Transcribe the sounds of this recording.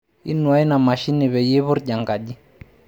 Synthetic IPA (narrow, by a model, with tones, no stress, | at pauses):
ḭ˦nwa˦i˦na˨ma˨ʃi˦ni˨βɛ˨jɛ˦βʊ˦ɾʄa˨ŋɡa˨ʄi˦